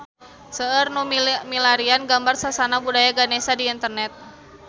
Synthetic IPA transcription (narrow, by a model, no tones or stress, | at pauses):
səərnumilaɾianɡambarsasanabudajaɡanesadiːnt̪ərnɛt̪̚